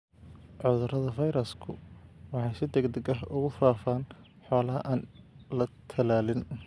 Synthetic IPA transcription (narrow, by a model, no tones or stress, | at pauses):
ʕʊðʊrɐðɐfɐjɾɐskʰʊwɑħɑjsɪd̪ɛɡd̪ɛɡɐɦʊɣʊfaːfaːn | ħɔːlɐɦɐʔaːnlɐt̪ʰɐlaːlɪn